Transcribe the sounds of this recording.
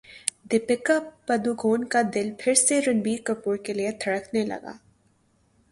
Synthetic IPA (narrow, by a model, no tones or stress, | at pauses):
d̪ɪpɪkapɐd̪uɡʱoːnkad̪ɪlpʰɪɾseɾʊnbiːɾkəpuːɾkeliet̪ʰɐɽəknelɐ̰ɡa̰ː